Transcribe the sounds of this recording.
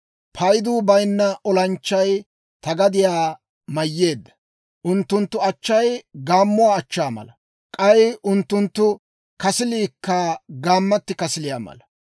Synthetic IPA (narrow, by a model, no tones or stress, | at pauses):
pʰɐjd̪uːbɐjnːɐʔɔlɐnt͡ʃːɐj | t̪ɐɡɐd̪ɪjaː | mɐjːe̞ːd̪ːɐ̥ | ʔʊnt̪ːʊnt̪ːʊɐt͡ʃːɐjɡaːmːʊwaːt͡ʃːaːmɐ̰lɐ | kʼɐjʊnt̪ːʊnt̪ːʊ | kɐsɪliːkːɐɡaːmːɐt̪ːɪkɐsɪlɪjaːmɐ̰lɐ